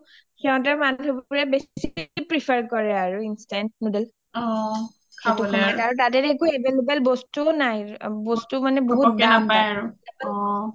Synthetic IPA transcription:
xɛɔ̃t̬ɛmadʱubuɹɛbessikipɹipʰaɹkɔɹɛaɹuinstɛnt̚nudɛl | ɔ | kʰabtumnaaɹutat̬ɛtekuebelubɛlbɔstunajbɔstumanɛboɦukaajaɹuɔ

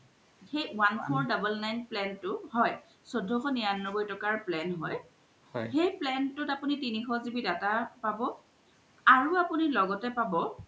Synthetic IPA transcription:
xejwanpʰɔɹdabəlnajnplɛntʊɦɔj | sodʱːɔxɔnijanːɔbojtɔkaɹplɛnɦɔj | ɔ̰jxejplɛntʊtapunitinixɔzibidatapabɔ | aɹuapunilɔɡɔtɛpabɔ

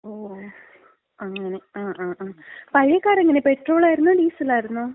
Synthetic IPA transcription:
oː | ɐŋːɐne̞aːʔaːaːpɐɻjɐkːaːɾeŋːɐne̞peʈro̞ːɭaːjɾunːuɖiːsɐlaːjiɾunːu

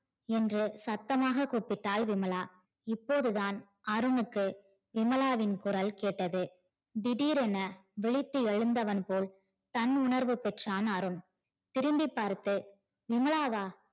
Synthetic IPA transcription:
ɛndrɯsɐt̪ːɐmaːɣɐkoːpːɪʈːaːlʋɪmɐɭaː | ɪpːoːðɯðaːn | ɐɾɯnɯkːɯ | ʋɪmɐlaːʋɪnkʊɾɐlkeːʈːɐðɯ | d̪ɪɽiːɾɛnɐʋɪɭɪt̪ːɯɛɻɯnd̪ɐʋɐnpoːl | t̪ɐnʊnɐɾʋɯpɛʈraːnɐɾɯn | t̪ɪɾɯmbɪpːaːɾt̪ɯ | ʋɪmɐɭaːʋaː

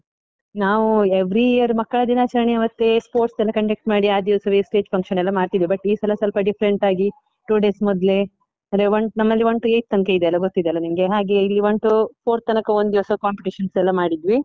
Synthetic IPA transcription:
naːʋueʋɾiijɐɾmɐkːɐɭɐd̪inɐt͡ʃɐɾɐɳiɐʋɐt̪ːespoːɾʈsɛlːɐkɐɳʈek̚ʈmaːɽiaːd̪iʋɐsɐʋesʈeːd͡ʒpʰɐŋkʂʃɐnɛlːɐmaːɽt̪id̪ʋibɐʈːiːsɐlɐsɐlpɐɖipʰɐɾeɳʈaːɡi | ʈuːɖe̞ːsmɔd̪le̞ | ɐnd̪ɾeʋoɳʈnɐmːɐlːiʋoɳʈueːjt̪̚t̪ːɐŋkeid̪eɐlːɐɡot̪ːid̪eɐlːɐnimɐɡeɦaːɡe̞ilːiʋoɳʈupʰoːɾt̪ːɐnɐkɐond̪iʋɐsɐkaːmpiʈiʃɐnsɛlːɐmaːɽid̪ʋi

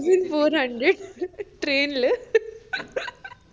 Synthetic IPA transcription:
zɐnfoːɾhɐɳɖɾeɖʈɾeːnl

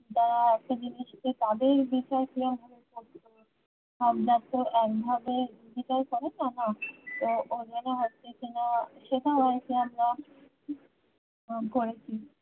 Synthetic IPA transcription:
d͡ʒaɾaɛʃad͡ʑiniʃket̪ad̪eɾbit͡ɕaɾkiambʱabekoʈto | amɾat̪oʔɛk̚bʱabebit͡ɕaɾkɔɾet͡ɕanat̪ood͡ʑanaɦoʈtekinaʃed̪abaɾkeamɾa | koɾet͡ɕʰi

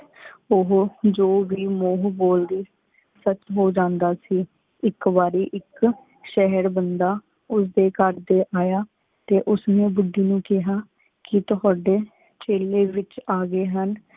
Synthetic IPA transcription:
ʊɦd͡ʒoːʋiːmoːɦboːld̪iː | sət͡ʃɦoːd͡ʒãːnd̪aːsiː | ɪkʋaːɾiːʔɪk | ʃɛɦəɾbənd̪aː | ʊsd̪eːkəɾd̪eːʔaːjaː | t̪eːʔʊsneːbʊɖiːnũːkɪɦaː | kɪt̪ʊɦaːɖeː | t͡ʃeːleːʋɪt͡ʃaːɡeːɦən

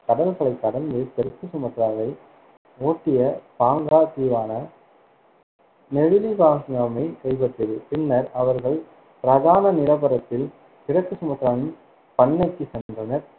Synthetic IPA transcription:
k̪ɐɽɐlɣɐɭɐɪk̪ːɐɽɐnd̪ɯt̪ɪɾɐkːɯsʊmɐt̪ːɾaːʋɐɪ | oːʈːɪjɐpaːŋɡaːt̪iːʋaːnɐ | nɛɻɯlibaːŋsŋɐmɐɪkɛɻbɐʈrɯðɯpɪnːɐɾɐʋɐɾɣɐɭ | pɪɾɐðaːnɐnɪlɐbɐɾɐt̪ːɪl | t̪ɪɾɐkːɯsʊmɐt̪ːɪɾaːʋɪn | pɐɳːɐɪkːɯsɛndrɐnɐɾ

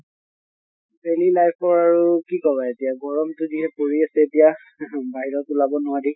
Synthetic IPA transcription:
belilajpʰɔɹaɹukikɔbaetijaɡɔɹɔmtʊdiɦɛpoɹiasɛetija | baɦiɹɔkulabɔnʊwadi

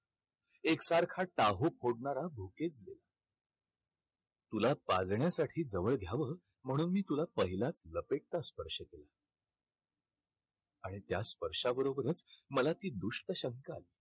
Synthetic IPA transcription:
eksaɾkʰaʈaɦopʰoɽɳaɾabʱoket͡sɡ̪ela | t̪ulapad͡zɳjasaʈʰiːd͡zəʋəɭɡʱjaʋəː | m̤əɽ̃uːnmiːt̪ulapəɦilat͡sləpeʈ̚t̪aspəɾʂəkela | aɽ̃it̪jaspəɾʂabəɾobəɾət͡sməlat̪iːd̪uʂʈəɕəŋkale

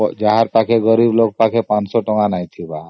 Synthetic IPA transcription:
d͡ʒaɦaɾpakʰeɡɔɾibloɡ̚pakʰepãt͡ʃsɔʈɔŋanajt̪ʰiba

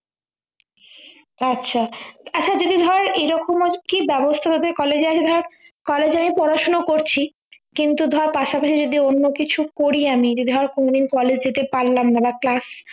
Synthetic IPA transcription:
atːɕʰaatːt͡ɕʰad͡ʑod̪id̪ʱɔɾeɾʔeɾɔkomokibɛbost̪ʰat̪ad̪eɾkɔled͡ʑeat͡ɕʰed̪ʱɔɾaɾ | kɔled͡ʑamipɔɾaʃonokoɾt͡ɕʰi | kint̪ud̪ʱɔaɾpaʃapaʃid͡ʑod̪ionːokit͡ɕʰukoɾiamid͡ʑod̪id̪ʱɔɾeɾkonod̪inkɔled͡ʑd͡ʑet̪epaɾlamnabaklas

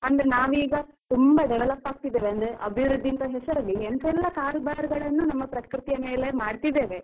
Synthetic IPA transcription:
ɐnd̪ɐɾenaːʋiːɡɐ | t̪umbɐɖɐʋelɐpːaːɡ̚t̪id̪ːeːʋeɐnd̪ɾeʔɐbʱiʋɾud̪ʱːint̪ɐɦɛsɐɾɐlːiensɛlːɐkaːɾbaːɾɡɐɭɐnːunɐmːɐpɾɐkkɾut̪jɐmeːle̞maːɽt̪id̪e̞ːʋe̞

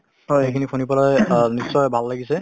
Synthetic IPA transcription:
ojejkʰinikʰunipɔlajnisːɔjbʱalːaɡisɛ

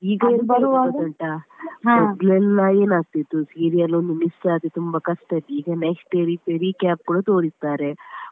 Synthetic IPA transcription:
iːɡɐiɾbɐɾuʋaːɡɐɳʈɐɦãmɔd̪lɛlːɐe̞ːnaːɡ̚t̪it̪ːusiːɾijɐlond̪umistaːt̪et̪umbɐkɐsʈɐd̪iiːɡɐneksʈeɾipeɾikaːp̚kuːɽɐt̪oːɽist̪aːɾe

